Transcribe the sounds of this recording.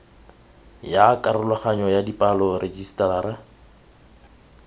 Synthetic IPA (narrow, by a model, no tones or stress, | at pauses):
jakʼaɾʊlaχaɲɔjadipʼalɔred͡ʒistʼalaɾɛ